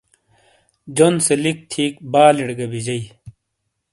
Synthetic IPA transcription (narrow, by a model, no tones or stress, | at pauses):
d͡ʑonselik̚t̪ʰiːkbaːliɽɡɐbid͡ʑɐi